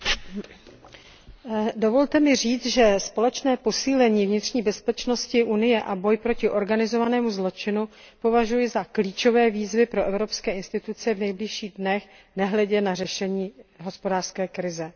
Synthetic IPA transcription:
do̞vo̞lt̪ɛmɪriːt͡sʒɛspo̞lɛt͡ʃnɛːpo̞siːlɛɲiːvɲɪt̪r̝̥ɲiːbɛspɛt͡ʃno̞scɪʔunɪjɛʔabo̞jpɾo̞cɪʔo̞ɾɡanɪzo̞vanɛːmuzlo̞t͡ʃɪnu | po̞vaʒujɪzakliːt͡ʃo̞vɛːviːzvɪpɾo̞ʔɛvɾo̞pskɛːɪnst̪ɪt̪ut͡sɛvnɛjbliʃiːɣdnɛx | nɛɦlɛɟɛnarɛʃɛɲiːɦo̞spodaːr̥skɛːkɾɪzɛ

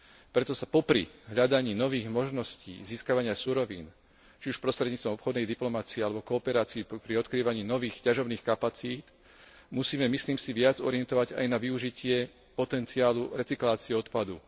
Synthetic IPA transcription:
pɾɛt̪ɔsapɔpɾḭɦʎad̪aɲiːnɔʋiːɣmɔʒnɔscḭːziːskaʋaɲɪasuɾɔʋḭːn | t͡ʃiuʃpɾɔst̪ɾɛd̪ɲiːt͡st̪ʋɔmɔpxɔd̪nɛjd̪iplɔmat͡siɛalɛbɔkɔːpɛɾaːt͡siipɾiɔt̪kɾiːʋaɲiːnɔʋiːxcaʒɔbniːxkapat͡siːt̪ | musiːmɛmisliːmsiʋɪad͡zɔɾɪɛnt̪ɔʋaɟa̰jnaʋiuʒicɪɛ | pɔt̪ɛnt͡siaːluɾɛt͡siklaːt͡siɛɔt̪pad̪u

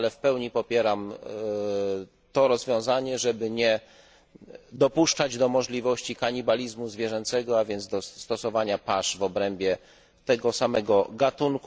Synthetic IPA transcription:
lɛfpɛwɲipɔpʲjɛɾam | t̪ɔɾɔzvʲjɔ̃w̃zaɲɛʐɛbɘɲɛ | d̪ɔpuʂt͡ʂad͡ʑd̪ɔmɔʐlʲivɔɕt͡ɕikaɲibalʲizmuzvʲjɛʐɛnt̪sɛɡɔavʲjɛnd̪zd̪ɔst̪ɔsɔvaɲapaʂvɔbɾɛmbʲjɛ | t̪ɛɡɔsamɛɡɔɡat̪uŋk

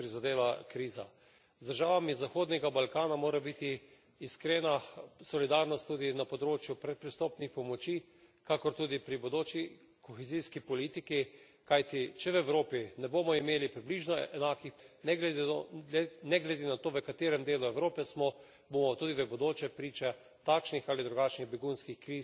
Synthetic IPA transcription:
pɾizad̪eːʋakɾiːza̰ | zd̪əɾʒaːʋamizaxoːd̪nɛɡabalkaːnamoːɾabit̪iː | skɾeːnasɔlid̪aɾnɔst̪ːud̪inapɔd̪ɾoːt͡ʃjupɾɛt̪̚pɾist̪ɔːpnixpɔmɔt͡ʃi | kakɔɾt̪uːd̪ipɾibɔd̪oːt͡ʃi | kɔxɛziskipɔliːt̪iki | kajt̪it͡ʃɛwɛwɾoːpinɛboːmɔimeːlipɾibliʒnɔɛnaːkixnɛɡlɛ | nɛɡlɛd̪enat̪oːʋəkat̪eːɾɛmd̪eːluɛwɾoːpɛsmɔ | boːmɔt̪uːd̪iʋəbod̪oːt͡ʃɛpɾiːt͡ʃɛ | t̪akʃnixalid̪ɾuɡat͡ʃniɣbɛɡunskixkɾiː

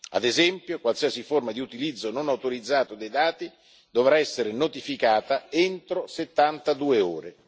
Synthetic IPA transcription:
a̰d̪ezɛmpjokwalsiasiformad̪iut̪ilid̪zːononawt̪oɾid̪zːaːt̪od̪ejd̪aːt̪i | d̪ovɾaɛsːeɾenot̪ifikaːt̪aent̪ɾoset̪ːant̪ad̪uːeo̰ːɾe

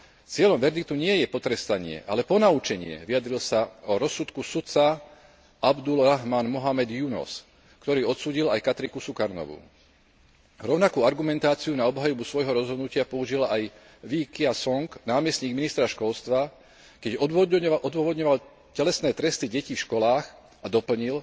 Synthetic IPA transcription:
t͡sɪɛʎɔmʋɛɾd̪ik̚t̪uɲɪɛjɛpɔt̪ɾɛst̪aɲɪɛ̰ʔalɛpɔnaut͡ʃɛɲɪɛ̰ʋijad̪ɾilsaɔɾɔsːut̪kusut͡sa | abd̪ulɾaɦmanmɔɦamɛd̪junɔ̰s | kt̪ɔɾiːɔt̪suːɟilajkat̪ɾikusukaɾnɔ̰ʋṵ | ɾɔʊnakuːaɾɡumɛnt̪aːt͡siunaɔbɦajubusʋɔjɦɔɾɔzɦɔd̪nucɪapɔuʒilaj | ʋikiasɔŋknaːmɛsɲiːɡminist̪ɾaʃkɔlst̪ʋa | kɛɟɔʔɔd̪ʊɔʋɔd̪ɲɔʋal | cɛlɛsnɛːt̪ɾɛst̪iɟɛciːfʃkɔlaːx | ad̪ɔpl̩ɲil

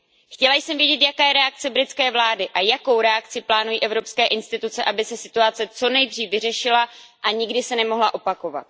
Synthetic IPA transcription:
xcɛlajsɛmvjɛɟɛt̪jakaːjɛɾɛak̚t͡sɛbɾɪt̪t͡skɛːvlaːdɪʔajako̞wɾɛak̚t͡sɪplaːnujiːʔɛvɾo̞pskɛːʔɪnst̪ɪt̪ut͡sɛʔabɪsɛsɪ̥t̪uat͡sɛt͡so̞nɛjd̪riːfvɪr̝ɛʃɪlaʔaɲɪɡdɪsɛnɛmo̞ɦlaʔo̞pako̞va̰t̪̚

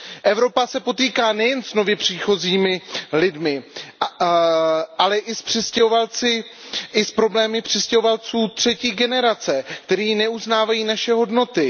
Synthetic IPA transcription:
ʔɛvɾo̞pasɛpo̞t̪iːkaːnɛjɛnsno̞vjɛpr̝̥iːxo̞ziːmɪlɪdmɪ | ʔalɛʔɪspr̝̥ɪscɛɦovalt͡sɪʔɪspɾo̞blɛːmɪpr̝̥ɪscɛɦovalt͡suːt̪r̝̥ɛciːɡɛnɛɾat͡sɛk̚t̪ɛɾiːnɛuznaːvajiːnaʃɛɦo̞dno̞t̪ɪ

